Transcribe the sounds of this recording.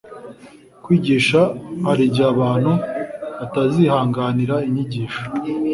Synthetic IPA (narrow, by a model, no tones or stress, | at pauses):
kwiːɟiʃahaɾiɟaβaːn̥huβatazihaːŋɡaniɾaiɲiɟiːʃo̥